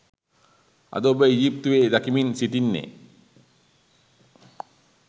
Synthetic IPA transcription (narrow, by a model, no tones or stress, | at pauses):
a̰d̪obeid͡ʒip̚t̪uwed̪akiminsiʈinːḛ